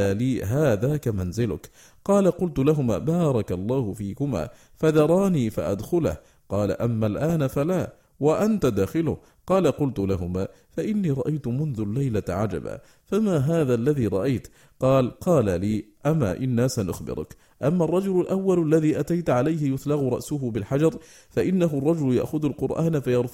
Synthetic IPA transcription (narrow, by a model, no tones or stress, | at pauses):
aliːɦaːðaːkamanzɪlʊ̰k | qɑːlaqʊlt̪ʊlaɦʊma̰ːbɑːɾˤɑkalˤːɑːhʊfiːkʊma̰ː | faðɑɾˤɑːniːfa̰ʔad̪xʊla̰h | qɑːla̰ʔamːalʔaːnafalaː | waʔant̪ad̪aːxɪlʊ̰h | qɑːlaqʊlt̪ʊlaɦʊmaː | faʔɪnːiːɾˤɑʔajt̪ʊmʊnðʊlːajlaʕad͡ʒa̰ba̰ː | famaːɦaːðaːlːaðiːɾˤɑʔajt̪ | qɑːlqɑːlaliːʔama̰ːʔɪnːaːsanʔʊ̰xbɪ̰ɾʊ̰k | ʔamːarˤːɑd͡ʒʊlʊlʔawːalalːaðiːʔat̪ajt̪ʕalajɦɪjʊθlɑɣʊɾˤɑ̰ʔsʊɦʊbɪlħad͡ʒɑɾˤ | faʔɪnːaɦʊrˤːɑd͡ʒʊlja̰ʔxʊðalqʊɾˤʔaːnafajɑɾˤf